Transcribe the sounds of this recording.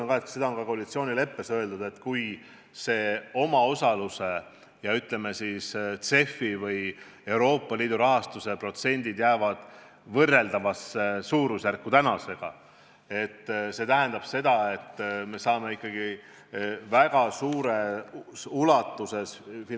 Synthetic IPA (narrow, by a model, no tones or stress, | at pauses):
ɑnkɑet̪kse̞d̪ɑo̞nkɑko̞ɑlit̪sio̞ːnʲile̞pːe̞sø̞e̞ld̪ud̪̥e̞t̪ːkuj | se̞ːo̞mɑo̞sɑluse̞ | jɑyt̪ˑle̞me̞sist̪se̞fːivɤj | e̞uɾo̞ːpːˑɑliːd̪̥uɾɑɦɑst̪use̞pro̞t̪se̞nʲd̪̥id̪̥jæːvɑd̪̥ | vɤrːe̞ld̪ɑvɑsːesuːɾusjærkːut̪ænɑse̞ɡ̥ɑ | e̞t̪ːse̞ːt̪æɦænd̪ɑb̥se̞d̪̥ɑe̞t̪ːme̞sɑːme̞ikˑːɑɡ̥i | væɡɑsuːɾe̞ | ulɑt̪ːˑuse̞sfin